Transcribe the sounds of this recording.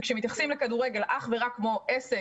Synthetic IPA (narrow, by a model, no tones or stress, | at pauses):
kʃemit̪jaχsimlekaduʁeɡe̞lʔaχveʁakːmo̞ʔese